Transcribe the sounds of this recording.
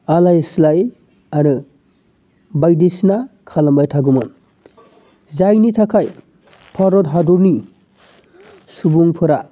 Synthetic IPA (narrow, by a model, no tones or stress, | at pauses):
alajslaj | aɾɯ | bajdisnakʰalambajtʰaɡumɯn | zajnitʰakʰaj | pʰaɾɔtɦaduɾni | subuŋpʰɯɾa